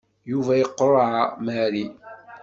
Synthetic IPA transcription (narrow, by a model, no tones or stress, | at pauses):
juvæjəqːɾˤʕamæɾi